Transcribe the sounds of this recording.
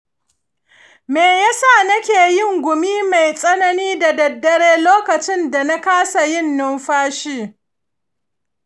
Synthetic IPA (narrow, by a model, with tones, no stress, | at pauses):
meː˨jaː˦sa˦˨nɐ˦kʲeː˨jɪ˦˨ŋɡʷʊ˨miː˦ma˨jsʼɐ˦nɐ˦niː˦da˨dɐ˨dːɐ˦ɽeː˦loː˦kɐ˨t͡ʃɪ˦nda˨na˦kaː˦sa˨jɪ˦˨nːʊ˦mɸaː˦ʃiː˦